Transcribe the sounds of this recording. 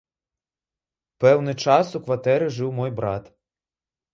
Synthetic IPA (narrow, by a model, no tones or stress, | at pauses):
pɛwnɨt͡ʂasukʋat̪ɛɾɨʐɨwmɔjbɾat̪